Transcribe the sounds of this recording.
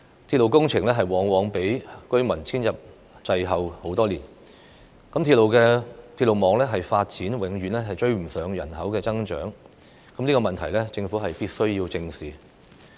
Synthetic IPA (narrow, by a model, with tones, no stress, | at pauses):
t̪ʰi˧t̚lo˨wkʊ˥ŋt͡sʰɪ˨˩ŋlɛː˥ɦɐ˨jwɔː˨˥ŋwɔː˨˥ŋpe˨˥jkɵ˥ɥmɐ˨˩nt͡sʰiː˥njɐ˨p̚ | t͡sɐ˧jɦɐ˨who˨˥wt̪ɔː˥liː˨˩n | kɐ˨˥mt̪ʰiː˧t̚lo˨wkɛː˧t̪ʰi˧t̚lo˨wmɔː˨˧ŋlɛː˥ɦɐ˨jfaː˧t̚t͡siː˨˥nwɪ˨˥ŋjyː˨˧nlɛː˥ɦɐ˨jt͡ʃɵ˧ɥm̩˨˩sœː˨˧ŋjɐ˨˩nɦɐ˨˥wkɛː˧t͡sɐ˥ŋt͡ʃœ̰ː˨˥ŋ | kɐ˨˥mnliː˥kɔː˧mɐ˨nt̪ʰɐ˨˩jlɛː˥t͡sɪ˧ŋfuː˨˥ɦɐ˨jpiː˥t̚sɵ˥ɥjiː˧wt͡sɪ˧ŋsiː˨˩